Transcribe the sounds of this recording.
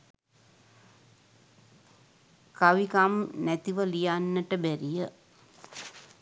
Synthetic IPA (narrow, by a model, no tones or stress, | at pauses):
kaʋikamnæt̪iʋəlijanːəʈəbæɾijə